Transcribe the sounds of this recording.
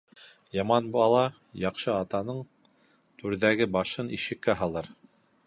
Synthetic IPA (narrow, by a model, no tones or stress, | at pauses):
jɑmɑnbɑlˠɑ | jɑqʃɤɑt̪ɑnɤɴ | t̪ʉɾðæɡɘbɑʃɤniʃɘ̆kːæɦɑlˠɤɾ